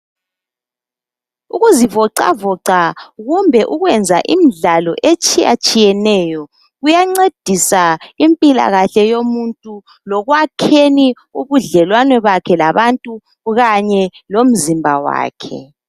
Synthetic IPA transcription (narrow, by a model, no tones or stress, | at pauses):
uɣuzivɔǀa̰vɔǀaɣumbʱɛʔuɣwɛnd͡zʱa̰ʔimiɮalɔʔet͡ʃʼija̰t͡ʃʼijɛnɛjɔ | ɣujaŋ͡ǀed̥ʱisaimpʼila̰ɣaɬɛjomuntʼu | lɔɣwakʰeni | uβuɮɛlwanɛβakʰɛlaβantʼu | ɣaɲɛlom̩zimbʱa̰wa̰ːkʰɛ̰